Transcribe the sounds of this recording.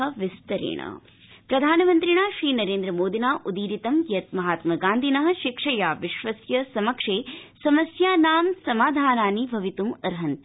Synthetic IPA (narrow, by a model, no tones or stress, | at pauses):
ɐʋist̪ɐɾḛːɳɐ̰ | pɾɐd̪ʱaːnɐmɐnt̪ɾiɳaːʃɾiːnɐɾeːnd̪ɾɐmoːd̪ʱinaːʔud̪iːɾit̪ɐmjɐt̪mɐɦaːt̪mɐɡaːnd̪ʱinɐɦɐ̆ʃikʂɐjaːʋiʃʋɐsjɐsɐmɐkʂeːsɐmɐsjaːnaːmsɐmaːd̪ʱaːnaːnibʱɐʋit̪umɐɾɦɐnt̪